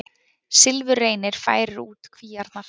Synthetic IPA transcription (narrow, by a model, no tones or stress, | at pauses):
sɪlvʏreːjnɪɾ̥fa̰ːjɾɪɾuːt̪kʰviːjaɾt̪na